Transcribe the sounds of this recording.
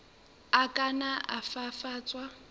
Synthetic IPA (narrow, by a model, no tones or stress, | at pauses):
akʼanaʔafafaːt͡sʼwa